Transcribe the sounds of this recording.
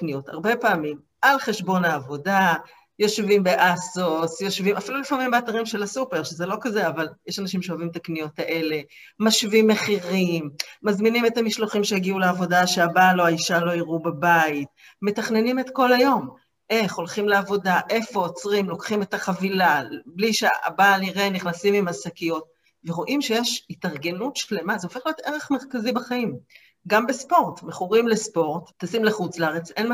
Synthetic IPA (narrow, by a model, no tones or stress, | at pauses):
knijo̞ta̰ʁbe̞paːmim | alχe̞ʃbo̞naːvo̞da | jo̞ʃvimbe̞ʔasosjo̞ʃvimafilulifamimbeataʁimʃe̞lasupe̞ʁʃeze̞lo̞kaze̞avaljeʃanaʃ̬imʃeovimt̪aknijo̞taʔe̞le̞ | maʃvimːe̞χiʁimːazminime̞tamiʃloχimʃejaɡiuleavo̞daʃeabalo̞aiʃalo̞iʁubabait̚ | me̞taχne̞nime̞t̪ko̞lajo̞m | ʔeχo̞lχimleavo̞daʔe̞fo̞ːt͡sʁimlo̞kχime̞taχavilabliʃea̰baliʁeniχnasimimasakijo̞t̚ | veʁo̞ʔimʃe̞jeʃitaʁɡe̞nutʃle̞mazeofe̞χlijo̞t̪ʔe̞ʁeχmeʁkazibaχaim | ɡambespo̞ʁtmeχuʁimlespo̞ʁttːasimleχut͡sleaʁet͡sen